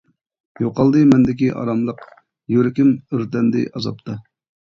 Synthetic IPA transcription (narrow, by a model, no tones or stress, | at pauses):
joqɑlˠd̪ɨmɛnd̪ɪk̬ʲiʔɑ̰ɾɑmlˠəq | jøɾɪkʲimyɾt̪ɛnd̪ɪ̰ʔɑzɑ̰p̚t̪ʰɑ